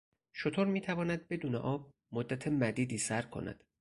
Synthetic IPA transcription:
ʃot̪ʰoɾmiːt̪ʰævɒːnæd̪̚be̞d̪uːnḛʔɒːb̚ | mod̪ːæt̪ʰemæd̪iːd̪iːsæɾkʰo̞̰næ̰d̪̥

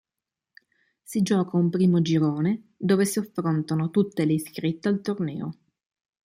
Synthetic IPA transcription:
sid͡ʒɔːkaumpɾiːmod͡ʒiɾoːne | d̪oːvesiafːɾont̪anot̪ut̪ːeleiskɾit̪ːealt̪ornɛ̰ːo̰

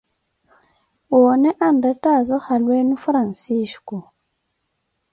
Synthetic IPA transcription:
woːnɛʔandɾɛtazɔhalwenufɾansiʃku

